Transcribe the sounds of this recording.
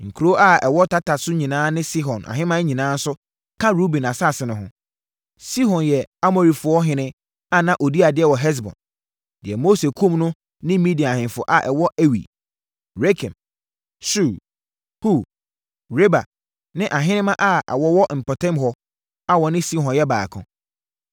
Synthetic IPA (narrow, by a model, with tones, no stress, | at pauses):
ŋ̩˨kʰu˨ɾo˦ʔa˦˨ɛ˨wɔ˦tʰa˦tʰa˨sʊ˦ɲĩ˨nãː˦nɪ̃˦si˦ɦɔ̃˨nʔa̰˨ɦɪ̃˦mã˦ɲĩ˨nãː˦n̩˦sʊ˦ | kʰã˦ɾu˦bĩ˨na˨sa˦˨sɪ˨nʊ̃˨ɦʊ̃˦ | si˦ɦɔ̃˨njɛ˨a˦mo˨ɾi˨fʊ˨ɔ˦ɦɪ̃˨nɪ̃˦ | a˦nã˨ʔo˨di˦a˨dɪ˨˦ɛ˨wɔ˨ɦɛ˦s̬bɔ̰̃˨n | dɪ˨ɛ˨mo˦se˨kʰũ˦mnʊ̃˦ | nɪ̃˦mĩ˦di˨a˨hɪ̃˨nfʊ̰˨ʔa˨ʔɛ˨wɔ˦ʔɛ˦wḭ˨ | ɾe˦kʰɛ̰̃˨m | su˦˨ | hu˦˨ | ɾe˦ba̰˨ | nɪ̃˦ʔa˨ɦɪ̃˦nɪ̃˦mã˦ʔa˦ɛ̰˨wɔ˦wɔ˦m̩˨pʰɔ˨tʰɛ̃˦mɦɔ˦ | a˨wɔ˨nɪ̃˦si˦hɔ̃˨njɛ˦ba̰ː˨kʰʊ̰̃˨